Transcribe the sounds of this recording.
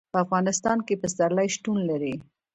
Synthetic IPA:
pəafɣɑnɪst̪ɑnkepəst̪aɾlajʃʈunlaɾi

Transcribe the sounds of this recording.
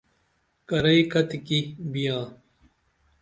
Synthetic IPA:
kɐɾɐikɐt̪ikibijãː

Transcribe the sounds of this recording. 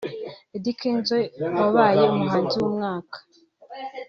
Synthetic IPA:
edikʰinzwewaβaːjeumuɦaːnziwumŋaːkḁ

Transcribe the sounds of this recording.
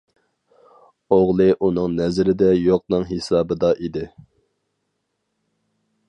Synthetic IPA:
oʁlˠɨʔunɨŋnɛzɪɾɪd̪ɛjoq̚nɨŋɦesɑːbɨd̪ɑʔid̪ɪ

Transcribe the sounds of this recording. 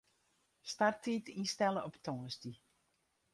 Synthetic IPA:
startitinstɛləʔɔptʰɔːsti

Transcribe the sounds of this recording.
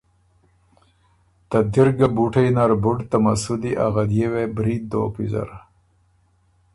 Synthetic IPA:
t̪ad̪iɾɡabuʈʰɐjnaɾbuɖt̪amasud̪iʔaɣad̪jewebɾid̪̚d̪o̰ːpizɐ̰ɾ

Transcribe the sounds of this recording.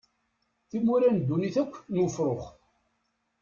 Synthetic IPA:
θimuɾænd̪ːuniθækʷːnwʊfɾoχ

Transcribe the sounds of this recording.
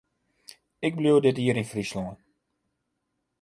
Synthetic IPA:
ɛk̚bluədətɦiəɾɪnfrislɔŋə

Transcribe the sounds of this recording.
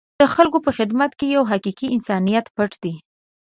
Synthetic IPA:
d̪̥əxalkopəxɪd̪mat̪kejawɦaqiqiɪnsɑnijat̪pəʈd̪̥i

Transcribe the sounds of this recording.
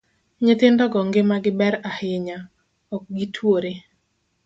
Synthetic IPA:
ɲɪt̪ɪndɔɡɔŋɡemaɡɪbɛɾahɪɲa | ɔk̚ɡitʰwoɾe

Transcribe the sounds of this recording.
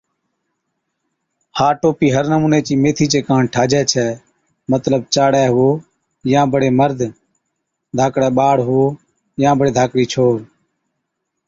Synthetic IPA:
haːʈoːpiːɦəɾnəmuːneːt͡ʃiːmeːt̪ʰiːt͡ʃeːkãːɳʈʰaːd͡ʒɛːt͡ʃʰɛː | mət̪ləb̚t͡ʃaːɽɛːɦʊoː | jãːbəɽeːməɾd̪ʱ | d̪ʱaːkɽɛːɓaːɽɦʊoː | jãːbəɽeːd̪ʱaːkɽiːt͡ʃʰoːɽ

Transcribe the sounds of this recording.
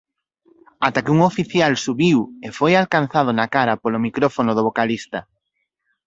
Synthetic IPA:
at̪akɪuŋofiθjalsuβiwefojalkan̟θað̞onakaɾɐpolomikɾɔfonʊðoβokalist̪ɐ

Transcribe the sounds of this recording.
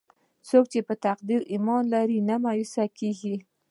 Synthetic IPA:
sok̚t͡ʃepət̪aqd̪iɾimɑnlaɾinamajusakeɡi

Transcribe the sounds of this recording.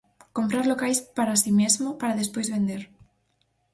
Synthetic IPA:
kompɾaɾlokajspaɾasimezmopaɾaðespojzβẽnd̪eɾ

